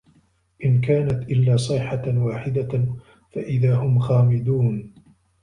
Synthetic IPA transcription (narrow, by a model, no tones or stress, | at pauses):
ʔɪnkaːnat̪ʔɪlːaːsˤɨħawaːħɪd̪a | faʔɪðaːhʊmxaːmɪd̪uːn